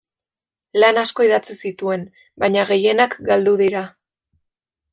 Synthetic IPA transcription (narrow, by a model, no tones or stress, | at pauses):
lanasko̞iðat͡sisit̪ue̞n | baɲaɣe̞je̞nakɡald̪uðiɾa